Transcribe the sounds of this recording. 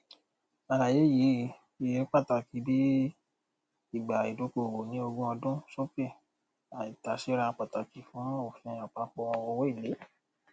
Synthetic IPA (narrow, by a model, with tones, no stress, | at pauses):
a˨ɾa˨je˨˦ji˨˦ | i˨je˨˦k͡pa˦˨ta˨ki˧˦bi˦ | i˦˨ɡ͡ba˨i˨do˨˧˦ko˧˨wo˨nĩ˦o˧ɡũ˦ɔ˧dũ˦so˦fe˦˨ | a˨i˨ta˨˦ʃe˦ɾa˧k͡pa˨ta˨ki˨˦fũ˨˦o˦˨fĩ˧ɔ̃˨k͡pa˧˦k͡pɔ˧ɔ̃˧o˧wɔ˦i˦˨le˨˦